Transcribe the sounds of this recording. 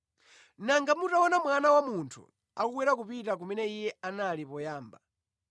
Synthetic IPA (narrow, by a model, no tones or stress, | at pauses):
naŋɡamutawɔnamwanawamuntʰṵ | a̰kuɡwɛɾak̬upitakumɛnɛijɛanalipɔjaːmba